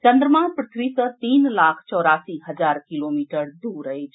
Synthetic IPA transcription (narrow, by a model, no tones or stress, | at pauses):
t͡ʃənd̪ɾəmãpɾət̪ʰʋisət̪iːnlakʰt͡ʃɔːɾasiɦəd͡ʒaɾkilomiʈəɾd̪uɾəjt͡ʃʰ